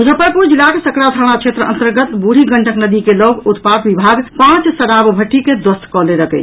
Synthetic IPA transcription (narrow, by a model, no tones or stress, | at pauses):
ud͡ʒəpəɾpuɾd͡ʒilːakesəkɾat̪ʰanat͡ʃʰet̪ɾəə̰nt̪əɾɡət̪buɽ̤ʱiɡəɳʈəknəd̪ikeloɡut̪pakbibʱaɡpãt͡ʃsəɾabbʱəʈʰːiked̪wəst̪kɔleɾəkə̰t͡ʃʰ